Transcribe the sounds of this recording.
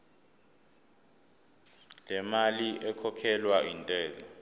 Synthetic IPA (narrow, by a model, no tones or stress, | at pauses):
lɛmaliʔɛkʰɔkʰɛlwaintʼɛːlɔ